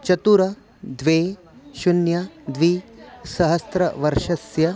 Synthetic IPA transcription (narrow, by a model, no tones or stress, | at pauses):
t͡ʃɐt̪uɾɐ | d̪ʋeː | ʃunjɐd̪ʋisɐɦɐst̪ɾɐʋɐɾʃɐsjɐ